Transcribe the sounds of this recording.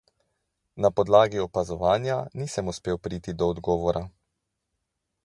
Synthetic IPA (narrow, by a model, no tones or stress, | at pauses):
napɔd̪laːɡiɔpazɔʋaːnjaniːsəmuspeːwpɾiːt̪id̪ɔːd̪ɡɔːʋɔɾʔa